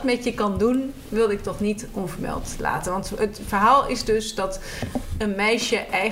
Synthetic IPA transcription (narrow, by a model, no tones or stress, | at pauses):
tmɛtjəkɑndun | ʋɪlˠdɪk̚tɔχnitɔnvəɹmɛ̰lˠtla̰ːtənʋɑntətfəɹɦaːlˠɪzdɵsdɑt | ənmɛjʃəʔɛj